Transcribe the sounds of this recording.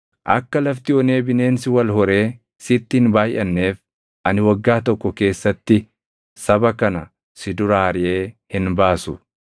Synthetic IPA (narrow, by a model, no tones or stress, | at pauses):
ʔɐ̰kːɐlɐft̪ɪɔne̞ːbɪne̞ːnsɪwɐlhɔɾe̞ː | sɪt̪ːɪnbaːjʔɐnːe̞ːf | ʔɐnɪwɐɡːaːt̪ɔkːɔke̞ːsːɐt̪ːɪ | sɐbɐkɐnɐ | sɪd̪ʊɾaːɾɪʔe̞ːhɪnbaːsʊ